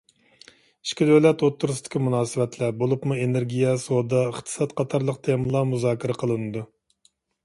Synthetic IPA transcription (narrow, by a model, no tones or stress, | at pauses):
i̥ʃkʲid̪ølɛt̪ot̪ʰːuɾustd̪ɪ̥kʲimunɑːsɨvɛt̪ʰlɛbolˠupmueneɾɡʲijɛsod̪ɑəχt̪ʰɨ̥sɑt̪qʰɑt̪ʰɑɾlˠəq̚t̪ʰemɨlˠɑmuzɑːkʲʰiɾɛqʰəlˠɨnɨd̪u